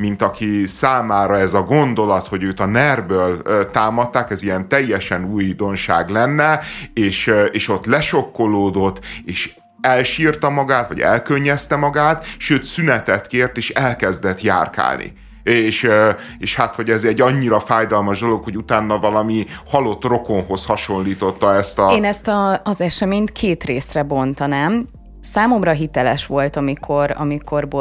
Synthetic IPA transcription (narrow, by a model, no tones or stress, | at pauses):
mint̪ɒkisaːmaːɾɒɛzɒɡo̞nd̪o̞lɒt̪ho̞ɟøːt̪ɒnɛrbøːlt̪aːmɒt̪ːaːkɛzijɛnt̪ɛjːɛʃɛnuːjd̪o̞nʃa̰ːɡlɛnːɛeːʃeːʃo̞t̪lɛʃo̞kːo̞loːd̪o̞t̪ːeːʃ | ɛlʃiːrt̪ɒmɒɡaːt̪ʋɒ̰ɟɛ̰lkøɲːɛst̪ɛmɒɡaːt̪ʃøːt̪synɛt̪ɛt̪keːrt̪eːʃɛlkɛzd̪ɛt̪ja̰ːrka̰ːlnḭ | eːʃeːʃhat̪ho̞ɟɛzɛɟːɒɲːiɾɒfaːjd̪ɒlmɒʒd̪o̞lo̞kho̞ɟut̪aːnːɒvɒlɒmihɒlo̞t̪ro̞ko̞nɦo̞shɒʃo̞nliːt̪o̞t̪ːɒɛst̪ɒeːnɛst̪ɒːzɛʃɛmeːɲt̪kʰeːt̪reːsrɛbo̞nt̪ɒnɛm | saːmo̞mrɒɦit̪ɛlɛʃʋo̞lt̪ɒmikʰo̞ɾɒ̰miko̞rbo